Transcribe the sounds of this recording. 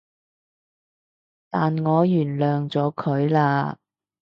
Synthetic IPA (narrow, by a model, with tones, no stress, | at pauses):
t̪aː˨nŋɔː˨˧jyː˨˩nlœː˨ŋt͡sɔː˨˥kʰɵ˨˧ɥlaː˧